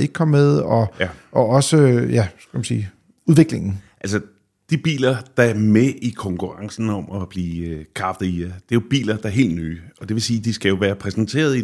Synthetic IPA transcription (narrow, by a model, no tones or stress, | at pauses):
e̝ɡ̥̚kʰɒ̽mmeð̞ˠɒ̽ʔɒ̽ɒ̽səjæskmænsḭː | uðˠʋe̝ɡ̥leŋn̩ʔælsə | d̥ib̥ḭːlɐd̥ɑ̈æɐmeʔikʰɒ̽ŋkʰuʁɑ̈ŋsn̩ɒ̽mɒb̥liːkʰʁɑ̈fd̥id̥e̝jo̝b̥ḭːlɐd̥ɑ̈æɐɦe̝̰ːld̥ny̰ːɒ̽d̥e̝ʋe̝siːd̥isɡ̥æjo̝ʋæːɐpʰʁɛsn̩t͡sʰe̝̰ːɐð̞̩ˠi